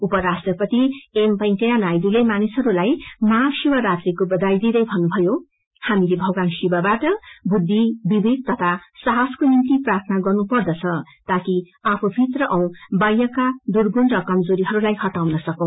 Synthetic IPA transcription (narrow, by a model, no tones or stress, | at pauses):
upʌɾasʈrʌpʌt̪iempʌjŋkʌjanajd̪ulemanisɦʌɾulajmasibʌɾat̪rikobʌd̪ajd̪id̪ʌjbʱʌnːubʱʌjo | hamilebʱʌɡwansibabaʈʌbʱud̪ʱːibibʱik̪̚t̪ʌt̪ʰasaɦʌskonint̪iprart̪ʰnaɡʌrnupʌrd̪ʌt͡sʰʌ | t̪aki | apʰubʱit̪rʌʔʌw̃bajʌkad̪urɡunrʌkʌmd͡zoɾiɦʌɾulajhʌʈawnʌsʌkʌ̃w̃